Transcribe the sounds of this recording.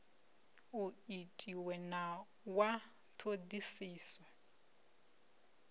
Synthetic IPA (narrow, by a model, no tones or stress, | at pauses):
uitʼiwɛna | wa | tʰodisiːsɔ